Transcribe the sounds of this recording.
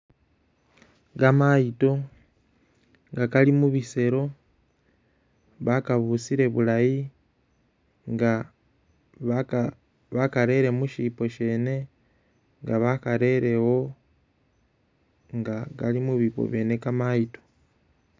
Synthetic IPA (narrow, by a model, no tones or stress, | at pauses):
ɡamaito̞ | ŋɡakalimuβise̞ɾo̞ | βakaβusiɾe̞βulaji | ŋɡa | βakaɾe̞ɾe̞muʃipo̞ʃe̞ːne̞ | ŋɡaβakaɾe̞ɾe̞wo̞ | ŋɡaɡalimuβipo̰βje̞ne̞kamaito̞̥